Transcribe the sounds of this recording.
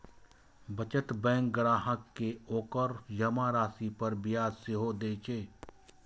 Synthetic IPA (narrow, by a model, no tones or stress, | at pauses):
bət͡ʃət̪bɛ̃ːŋkɡɾaːɦəkːeoːkəɾjəmaːɾaːsipɐɾbɪjaːdsɪɦod̪eːt͡ʃeː